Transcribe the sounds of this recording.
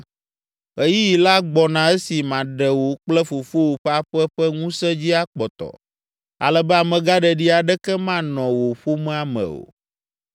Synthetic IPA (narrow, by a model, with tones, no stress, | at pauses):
e˨˦ji˦ji˨la˦ɡ͡bɔ˨nã˨ɛ˦si˨mã˨ɖɛ˨wo˨k͡plɛ˦fo˨fo˦wo˨ɸɛ˦a˦ɸɛ˦ɸɛ˦ŋũ˦sɛ˦d͡ʑi˦a˦k͡pɔ˨t̪ɔ̰˨ | a̰˨lɛ˨bɛ˦a˨mɛ̃˨ɡa˦ɖɛ˨ɖi˦a˨ɖɛ˦kɛ˦mã˦nɔ̃˨wo˨ɸo˦mɛ˦a˨mɛ̰̃˨o̰˨